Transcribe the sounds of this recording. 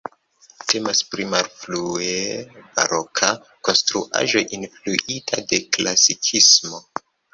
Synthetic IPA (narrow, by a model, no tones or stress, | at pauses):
te̞maspɾimalflueb̥a̰ɾokʰa | ko̞nstɾuʔa̰ʒo̞ʔinfluʔitʰa̰de̞klasikʰismo̞